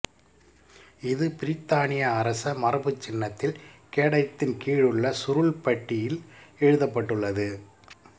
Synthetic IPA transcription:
ɪðɯpɪɾɪt̪ːaːnɪjɐːɾɐsɐmɐɾɯbɯt͡ʃːɪnːɐt̪ːɪlkeːɽɐɪt̪ːɪnkiːɻɯɭːɐsʊɾʊɭpɐʈːɪjɪlɛɻɯðɐpːɐʈːɯɭːɐðɯ

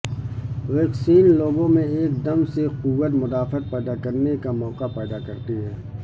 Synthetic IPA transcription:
ʋeːksiːnloːɡõmẽeːk̚d̪ɐmseqʊwːət̪mʊd̪aːfət̪̚pɛːd̪akɐɾnekamɔːqapɛːd̪akɐɾt̪iɦɛː

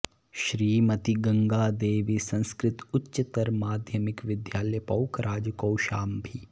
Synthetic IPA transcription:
ʃɾiːmɐt̪iɡɐ̃ŋɡaːd̪eːʋisɐ̃nskɾɪt̪ʊtːʃɐt̪ɐɾmaːd̪ʱjɐmɪkʋɪd̪jaːljpɐwkɾʔaːd͡ʒkɐwʃaːmbʱi

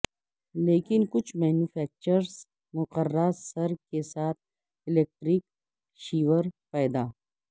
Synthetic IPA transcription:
leːkɪnkʊt͡ʃʰmɛːnjuːfʰɛːk̚t͡ʃəɾs | mʊqəɾːasɐɾkesaːt̪̚ʰ | ɪleːk̚ʈɾik̚ | ʃiːʋəɾpɛːd̪aː

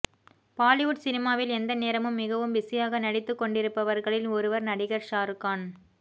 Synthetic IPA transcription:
paːlɪʋʊʈsɪnɪmaːʋɪlɛnd̪ɐneːɾɐmɯmːɪɣɐʋɯmbɪsɪjaːɣɐnɐɽɪt̪ːɯkːɔɳɖɪɾɯpːɐʋɐɾɣɐɭɪlɔɾɯʋɐɾnɐɽɪɣɐɾʃaːɾɯkːaːn

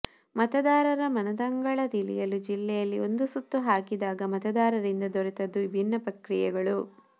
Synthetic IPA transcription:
mɐt̪ɐd̪aːɾɐɾɐmɐnɐd̪ɐŋɡɐɭɐd̪ilḭjɐlud͡ʒilːɛjɐlːio̞nd̪usut̪ːuɦaːkid̪aːɡɐmɐt̪ɐd̪aːɾɐɾind̪ɐd̪oɾit̪ɐd̪ːuibʱinːɐpɾɐkɾijɛɡɐɭu

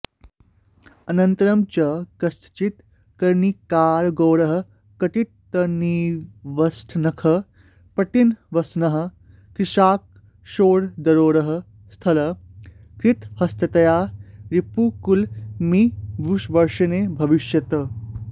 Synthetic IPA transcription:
ɐnɐnt̪ɐɾɐmt͡ʃɐkɐsʰt͡ʃit̪ | kɐɾnikaːɾɡoːɾɐɦɐ̆ | kɐʈiʈ̚t̪ɐniʋɐsʈʰnɐkʰɐ | pɐʈ̪inʋɐsnɐɦɐ̆ | kɾiʃaːk̚ | ʃoːɾd̪ɐɾoːɾɐɦɐ̆ | st̪ʰɐlɐ | kɾit̪hɐst̪ʰɐt̪ɐjaːɾipukulmibʱuʃʋɐɾʃɐnebʱɐʋiʃjɐt̪ɐ

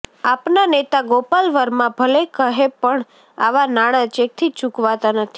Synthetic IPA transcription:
apnanet̪aɡopalʋəɾmãbʱəlekəɦepəɳ | a̰ʋanaɽ̃ãt͡ʃek̚t̪ʰit͡ʃukʋat̪anət̪ʰi

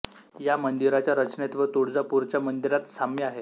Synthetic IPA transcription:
jamənd̪iɾat͡ɕjaɾət͡ɕnet̪ʋət̪uɽd͡zapuɾt͡ɕjamənd̪iɾat̪samjaɦe

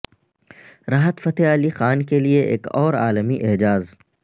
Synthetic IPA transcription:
ɾaːɦət̪fɐt̪eaːlixaːnkelieʔḛːkɔːɾaːləmiʔɪɦd͡ʒaːz

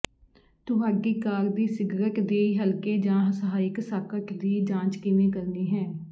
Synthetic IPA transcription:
t̪ʊɦaːɡiːkaːɾd̪iːsɪɡɾəʈd̪eːɦəlkeːd͡ʒãːɦəsəɦaːɪksaːkəʈd̪iːd͡ʒãːt͡ʃkɪnẽːkəɾniːɦɛ̃ː

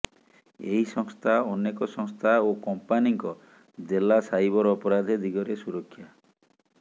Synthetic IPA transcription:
ḛɦisɔŋst̪ʰaɔnekɔsɔŋst̪ʰaokɔmpaniŋkɔ | d͡ʒelasajbɔɾɔɔpɔɾad̪ʱed̪ʱiɡɔɾesuɾɔkʰːja

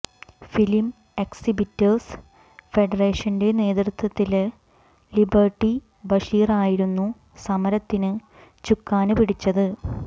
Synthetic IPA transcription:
filim | eksibitːɐrs | fe̞ɖɐreːʂɐnde̞ne̞ːt̪rut̪ːwɐt̪ːil | libɐrʈːi | bɐʂiːraːjiɾunːu | sɐmɐɾɐt̪ːinɨ | t͡ɕukːaːnɨpiɽit͡ɕːɐðɨ

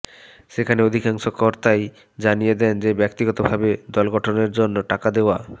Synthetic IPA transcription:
ʃekʰaneod̪ʱikaŋʃokɔɾt̪aj | d͡ʑanijed̪ɛnd͡ʑebɛk̚t̪iɡɔt̪obʱabed̪ɔlɡɔʈʰoneɾd͡ʑonːoʈakad̪eoa

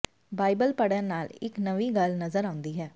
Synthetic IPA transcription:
baːibəlpəɽənaːlɪ̰knəʋiːɡəlnəzəɾãːʊnd̪iːɦɛː

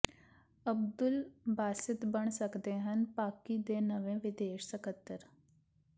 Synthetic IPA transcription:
əb̚d̪ʊlbaːsɪt̪bəɳ̃səkd̪eɦənpaːkiːd̪eːnəʋẽːʋɪd̪eːʃsəkət̪ːəɾ

